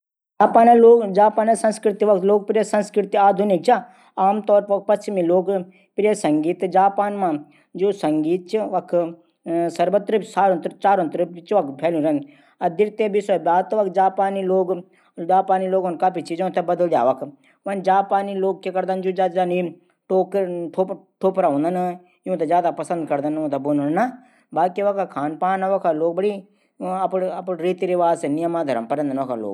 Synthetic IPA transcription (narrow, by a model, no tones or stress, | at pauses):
d͡ʒaːpaːnɐloːd͡ʒaːpaːnɐsɐ̃nskɾɪt̪iʋɐkt̪loːɡ̚pɾesɐnskɾɪt̪iaːd̪ʱunik̚t͡ʃa | aːmt̪ɔːɾpʋɐk̚pɐst͡ʃimiloːɡ | pɾjesɐŋɡiːt̪d͡ʒaːpaːnmã | d͡ʒuːsɐŋɡiːt̪̚t͡ʃʋɐkʰ | sɐɾʋɐt̪ɾɨsaːɾnt̪ɾt͡ʃaːɾõnt̪ɾɨpt͡ʃʋɐkpʰɛːlũɾɐn | ɐd̪iɾt̪ebiswɐbjaːt̪ʋɐkd͡ʒaːpaːniloːɡ | d͡ʒaːpaːniloːɡonkaːpit͡ʃiːd͡ʒõt̪ebɐd̪əld͡ʒa̰ːʋɐkʰ | ʋɐnd͡ʒaːpaːniloːɡ̚kekɐɾd̪and͡ʒud͡ʒaːd͡ʒaːni | ʈoːkːʈʰoːpʈʰoːpɾaɦõːnd̪ɐn | jũt̪azjaːd̪apɐsənd̪kɐɾd̪ɐnũt̪ɐbonnna | baːkiʋɐkakʰaːnpaːnɐʋɐkʰaloːɡ̚bɐɽi | ɐpɐpɾiːt̪iɾiʋaːzsenɪjɐmaːd̪ʱɐɾə̰mpɐɾɐ̃nd̪ɐnʋɐkʰa̰lo̰ːɡ